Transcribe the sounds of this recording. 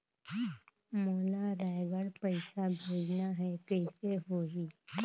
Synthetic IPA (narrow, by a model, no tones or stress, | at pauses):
məlaɾajʋəɽpəjsabʱed͡znaɦɛkəjseɦoɦi